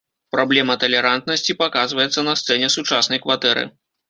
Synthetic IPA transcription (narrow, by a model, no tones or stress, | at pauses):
pɾablʲɛmɐt̪ɐlʲɛɾant̪̚nɐsʲt͡sʲipakazvɐjɛt̪sːɐnɐst̪sɛnʲɛsut͡ʂasnɐjkvat̪ɛɾɨ̰